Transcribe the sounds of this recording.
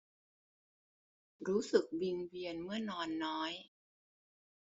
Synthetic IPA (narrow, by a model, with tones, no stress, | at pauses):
ɾuː˦˥sɯ˨˩k̚wi˧ŋwi˧ənmɯ˥˩ɐənɔː˧nːɔː˦˥j